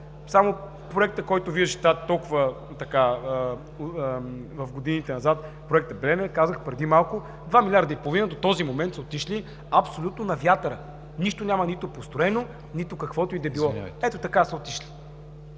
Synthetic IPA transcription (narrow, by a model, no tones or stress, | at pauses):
samo | pɾoɛk̚t̪əkɔjt̪ʊviʒʒəʃt̪at̪ɔlˠkʊvə | t̪ɐka | vɐfɡod̪init̪ɛnɐzat̪ | pɾoɛk̚t̪əblɛnɛkazəxpɾɛd̪imalˠkʊ | d̪vamilʲaɾd̪ɐipolˠovinəd̪ot̪ɔzimomɛnt̪sɛot̪iʃli | ɐpsolʲut̪nonɐvjat̪əɾə | niʃt̪onʲamɐnit̪opost̪ɾoɛno | nit̪okɐkvɔt̪ʊid̪ɛbillˠɔɛt̪ot̪ɐkasɛot̪iʃli̥